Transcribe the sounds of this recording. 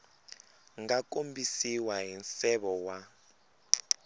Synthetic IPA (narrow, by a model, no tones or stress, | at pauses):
ŋɡakombisiwaɦinsɛɓɔwa